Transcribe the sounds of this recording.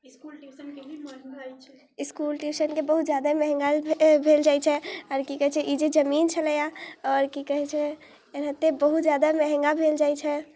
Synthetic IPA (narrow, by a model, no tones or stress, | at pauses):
ɪskuːlʈiːsənkebəɦut̪zjaːd̪amɛɦɛ̃ŋɡalbʱeːld͡ʒaːɪt͡ʃʰɛɔːɾkikəɦɛt͡ʃʰɛʔid͡ʒed͡ʒəmiːnt͡ʃʰələjaɔːɾkikəɦɛt͡ʃʰɛ | ɾɦət̪ːebəɦut̪zjaːd̪amɛɦɛ̃ŋɡabʱeːld͡ʒaːit͡ʃʰɛ